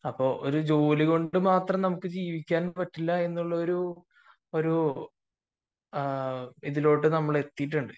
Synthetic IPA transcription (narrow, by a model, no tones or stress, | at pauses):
ɐpːo̞ːʔo̰ɾud͡ʑo̞ːliɣo̞ɳɖɨmaːt̪rɐmnɐmukːɨd͡ʑiːʋikʲːaːnpɐʈːilːɐe̞nːuɭːɐo̞ɾu | o̞ɾu | iðilo̞ːʈːɨnɐmːɐɭe̞t̪ːijiʈːuɳɖɨ